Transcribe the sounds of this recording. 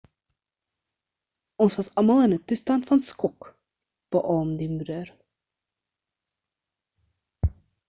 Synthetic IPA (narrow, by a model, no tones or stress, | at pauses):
ɔnsvɐsɑmɐlˠənətustɑntfɐnskɔk | b̥əʔɔːmdimudər